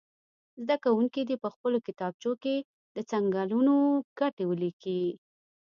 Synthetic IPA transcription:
zd̪akawuŋkid̪ipəxpəlokɪt̪ɑb̚t͡ʃoke | d̪ət͡saŋɡɑlunoɡ̥aʈewəliki

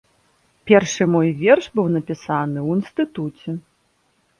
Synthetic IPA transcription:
pʲɛrʂɨmɔjvʲɛrʂbɨwnɐpʲisanɨwinst̪ɨt̪ut͡sʲɛ

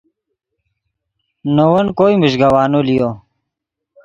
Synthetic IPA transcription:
nowɐnkoːimuɕɡɐwaːnulijo

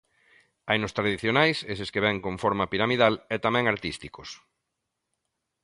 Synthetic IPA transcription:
ajnʊst̪ɾaðiθjonajseseskeβɛŋkoɱfoɾmapiɾamiðalɛt̪amɛ̃ŋaɾt̪ist̪ikos

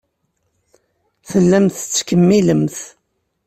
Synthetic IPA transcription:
θəlːæmθət͡sːkəmːiləmθ

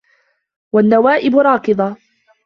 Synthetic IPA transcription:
wanːawaːʔɪbʊɾˤɑːkɨd̪ˤɑ

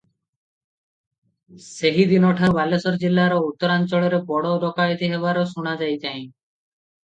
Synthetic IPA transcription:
seɦid̪inɔʈʰaɾbalesɔɾd͡ʒilːaɾɔut̪ːɔɾant͡ʃɔɭɔɾebɔɽɔɾɔkajt̪iɦeβaɾɔsuɽ̃ad͡ʒajt̪aĩ

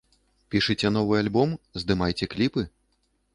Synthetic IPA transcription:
pʲiʂɨt͡sʲɛnɔvɨalʲbɔmzd̪ɨmajt͡sʲɛklʲipɨ

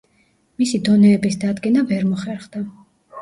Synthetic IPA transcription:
misid̪ɔnɛːbisd̪ad̪ɡɛnavɛɾmɔχɛɾχd̪a

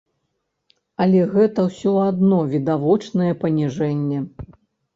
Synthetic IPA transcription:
ɐlʲɛɣɛt̪ɐwsʲɔad̪nɔvʲid̪avɔt͡ʂnɐjɛpɐnʲiʐɛnʲːɛ

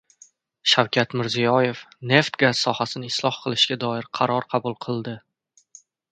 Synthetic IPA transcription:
ʃawkʲʰat̪mɪɾzijɒje̞fne̞ft̪ɡazsɒhasɪnɪɪslˠɒhqʰɨlˠɪʃɡʲad̪ɒɪɾqʰɑɾɒɾqʰɑbʊlˠqʰɨlˠd̪ɪ

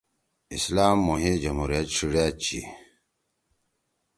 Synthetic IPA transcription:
ḭslaːmːuɦed͡ʑɐmhuɾijɐt̪ʂiɽat͡ɕḭ

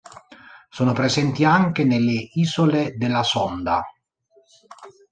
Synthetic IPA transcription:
soːnopɾezɛnt̪iaŋkenelːeiːzoled̪elːasɔnd̪a̰

